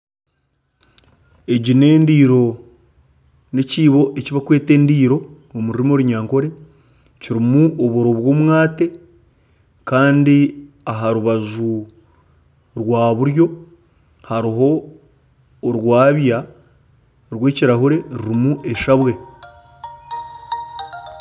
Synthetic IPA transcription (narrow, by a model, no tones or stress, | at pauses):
e̞ɟine̞ːndiːɾo̞ | ne̞ciːβo̞ʔeciβakwe̞ːte̞ːndiːɾo̞ | omuɾiɾimoɾuɲaːŋko̞ɾe̞ | ciɾimuʔoβoɾo̞βwo̞ːmŋaːte̞ | kaːndi | aɦaɾuβazu | ɾwaːβuɾjo̞ | haɾiɦo̞ | ɾwaːβja | ɾwe̞ːciɾaɦuɾe̞ɾiɾimuʔe̞ʃaβwe̞